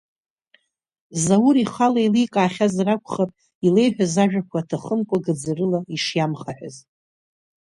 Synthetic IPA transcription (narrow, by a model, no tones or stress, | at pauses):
zawuɾiχalailijkʼaːχʲazrakʷʰχapʼ | ile̞jħʷᶣazaʒᶣakʷʰatʰaχəmkʷʼaɡɨd͡zarɨlaiʂjamχaħʷᶣa̰z